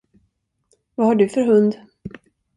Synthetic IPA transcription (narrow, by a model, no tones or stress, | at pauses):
vahaɖɵfœɾɦɵnd̪